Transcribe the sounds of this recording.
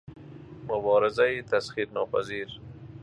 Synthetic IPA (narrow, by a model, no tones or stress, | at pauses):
mʊbɑːɾɪzaɪt̪asxiɾnɑpa̰ziɾ